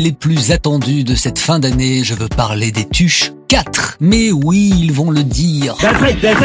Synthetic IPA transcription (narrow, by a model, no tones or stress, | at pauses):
leplyzat̪ɑ̃d̪yd̪əsɛt̪fɛ̃d̪aneʒəvøpaʁled̪et̪yʃkat̪χmɛwiːlvɔ̃ləd̪iʁafɛd̪ɛz